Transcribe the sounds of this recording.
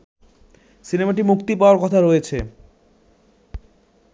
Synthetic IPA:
sinemaʈimukt̪ipaoaɾkɔt̪ʰaɾojet͡ɕʰe

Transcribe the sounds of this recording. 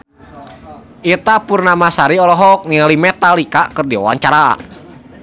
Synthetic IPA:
ʔit̪apurnamasaɾiɔlɔɦɔk̚nilimɛt̪alikakərdiɔ̰wa̰ɲt͡ʃaɾa

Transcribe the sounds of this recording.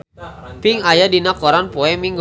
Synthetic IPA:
pɪŋajadinakɔɾanpɔɛmiŋɡ

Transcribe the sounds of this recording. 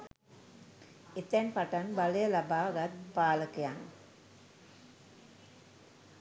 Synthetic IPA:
it̪ːɛnpɐʈɐnbɐlɐjɐlɐbaːɡɐt̪paːləkijaŋ

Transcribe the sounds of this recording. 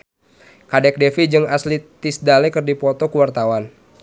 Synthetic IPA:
kadɛk̚dɛfid͡ʒɨŋaslit̪isdalɛkɨrdipɔt̪ɔkuwart̪awan

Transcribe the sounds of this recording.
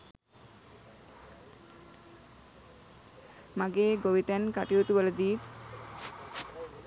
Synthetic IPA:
maɡeːɡoʋit̪ænkaʈijut̪uʋələd̪iːt̪

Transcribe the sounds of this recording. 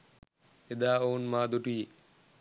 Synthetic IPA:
ed̪aonmad̪oʈie

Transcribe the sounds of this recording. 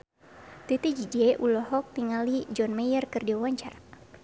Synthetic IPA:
t̪et̪id͡ʒid͡ʒɛʔulɔhɔk̚t̪iŋalid͡ʒɔnmajərkɨrdiawaɲt͡ʃara

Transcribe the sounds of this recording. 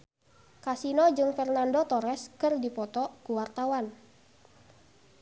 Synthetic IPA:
kasinɔd͡ʒɨŋfɛrnandot̪ɔɾɛskɨrdipɔt̪ɔkuwart̪awan

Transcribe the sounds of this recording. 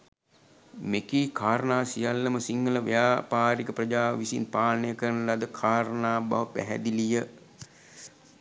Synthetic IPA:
mekiːkʰaːɾənaːsijalːəməsiŋɡələʋə̰jaːpaːɾikəprɐd͡ʒaːʋisḭnpaːlnəjəkəɾənəlad̪əkʰaːɾənaːba̰ʋəpæ̰ɦɛ̰d̪ilijə

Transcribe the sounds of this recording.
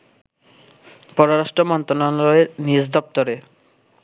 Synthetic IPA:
pɔɾoɾaʃʈɔmɔnt̪ɾonanɔeɾnid͡ʑd̪ɔp̚t̪ɔɾe

